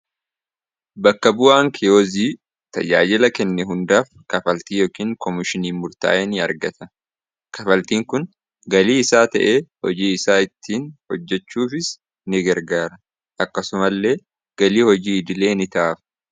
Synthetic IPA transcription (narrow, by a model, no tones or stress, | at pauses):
bɐkːɐbʊʔaːŋkʰɛjoːziː | t̪ɐ̰d͡ʒa̰ːd͡ʒɪlɐkɛnːɛɦʊnd̪aːfkɐfɐlt̪iːjoːkiːŋkʰɔmɪʃɪniːmʊɾt̪a̰ːʔɛnɪɐ̰ɾɡɐt̪ɐ | kɐfɐlt̪iːŋkʊn | ɡɐliːɪsaːt̪ɐ̰ʔeːhɔd͡ʒiːɪsaːɪt̪ʰːiːnhɔd͡ʒːɛt͡ʃːuːfɪs | nɪɡɐɾɡaːɾɐ | ʔɐkːɐsʊmɐlːe̞ː | ɡ̥ɐliːhɔd͡ʒiːɪd̪ɪle̞ːnɪt̪aːfɐ̥